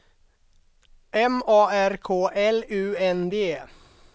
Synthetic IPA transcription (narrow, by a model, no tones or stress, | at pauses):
ʔɛmɑːæɾkʰoːʔɛlʉːɛnd̪eː